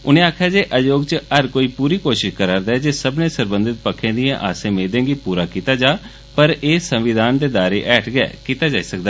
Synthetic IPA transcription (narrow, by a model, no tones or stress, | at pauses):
ʊnẽːaːkʰjaːd͡ʒeːʔəjoːɡt͡ʃəəɾkoːiːpuːɾiːkoːʃɪʃkəɾaːɾd̪aːd͡ʒeːsəbnẽːsəɾbə̃nd̪ɪt̪̚pəkʰːẽːd̪ɪjãʔaːsẽːmeːd̪ẽːɡiːpuːɾaːkiːt̪aːd͡ʒaː | pəɾeːsə̃mʋɪd̪aːnd̪eːd̪aːɾeːʔɛːʈʰɡɛ̰ːkiːt̪aːd͡ʒaːiːsəkd̪aː